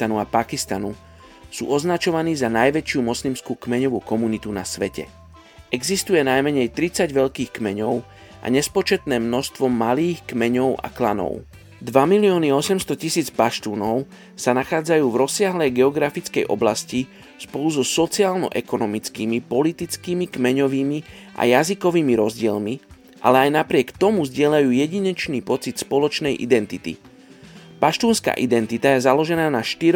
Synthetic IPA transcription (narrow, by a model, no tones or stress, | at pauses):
anuapakist̪anu | sṵːɔznat͡ʃɔʋaniːzanajʋɛt͡ʃɪumɔslimskuːkmɛɲɔʋuːkɔmunit̪unasʋɛcɛ̰ | ɛɡzist̪ujɛnajmɛɲɛjt̪ɾit͡saɟʋɛʎkiːxkmɛɲɔʊ | ʔa̰ɲɛspɔt͡ʃɛt̪nɛːmnɔʃst̪ʋɔmaliːxkmɛɲɔʊʔa̰klanɔ̰ʊ | d̪ʋamiliɔːniɔsɛmst̪ɔcisiːd͡zpaʃt̪uːnɔʊ | sanaxaːd͡zajuːvɾɔsːɪaɦlɛjɡɛɔɡɾafit͡skɛjʔɔ̰blasci | spɔluzɔsɔt͡siaːlnɔ̰ʔɛkɔnɔmit͡skiːmipɔlit̪it͡skiːmikmɛɲɔʋiːmi | ʔa̰jazikɔʋiːmiɾɔzɟɪɛlmi | ʔa̰lɛajnapɾɪɛkt̪ɔmuvzɟɪɛʎajuːjɛɟiɲɛt͡ʃniːpɔt͡sit̪spɔlɔt͡ʃnɛjʔḭd̪ɛnt̪it̪ḭ | paʃt̪uːnska̰ːʔid̪ɛnt̪it̪ajɛzalɔʒɛnaːnaʃt̪iɾ